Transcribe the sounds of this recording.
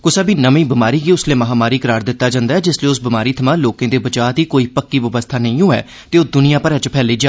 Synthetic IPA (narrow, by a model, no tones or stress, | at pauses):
kʊsaːbiːnəmĩːbɪmaːɾiːɡiːʊsleːməɦaːmaːɾiːkəɾaːɾd̪ɪt̪ːaːd͡ʒãːnd̪aːɛːd͡ʒɪsliːʊsbɪmaːɾiːt̪ʰəmãːloːkẽːd̪eːbəd͡ʒaːt̪iːkoːiːpəkːiːʋəʋəst̪ʰaːnəĩːõːɛ̰ː | t̪eːoːd̪ʊnijãːpəɾɛːt͡ʃəpʰɛːliːd͡ʒaː